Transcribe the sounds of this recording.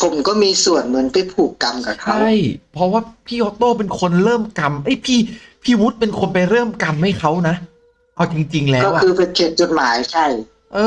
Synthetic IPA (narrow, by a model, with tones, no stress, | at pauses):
pʰo˨˩˦mkɔː˥˩miː˧su˨˩ənmɯ˩˦npa˧˥˩jpʰuː˨˩kːa˧mkaː˨˩kʰa˦˥a˥˩jpʰɾɔ˦˥waː˥˩pʰiː˥˩ʔɔː˧˥t̪oː˥˩p̬e˧nkʰo˧nɾɤː˥˩mka˧mʔa˦˥˩jpʰiː˥˩pʰiː˥˩wu˦˥t̪̚pe˧nkʰo˧npa˧jɾɤː˥˩mka˧mha˥˩jkʰa˦˥wna˦˥ʔ | ʔa˧wt͡ɕi˧ŋt͡ɕi˧ŋlɛː˦ɔː˥˩wʔa˧kɯː˧pe˧nkʰeː˨˩t̪̚t͡ɕo˨˩t̪̚maː˩˦jt͡ɕʰa˥˩j | ʔɤː˧